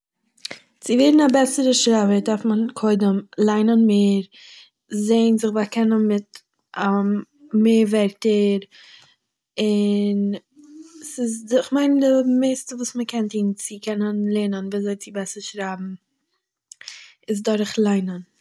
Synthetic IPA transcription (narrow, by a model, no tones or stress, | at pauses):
t͡sɪveːɾn̩abɛsəɾəʃɾabəɾdaɾfmənkʰoɪdəmlˠaɪnənmeːɾ | zeɪnzɪχbakɛnənmɪt | a | meːɾvɛɾtəɾ | ɪn | sɪsɪχmaɪndɪmeɪstəvuːsməkʰɛntiːnt͡sɪkɛnənlˠɛnənviːzoɪt͡sɪbɛsəɾʃɾabm̩ | ɪs̬dɔɾχlˠaɪnən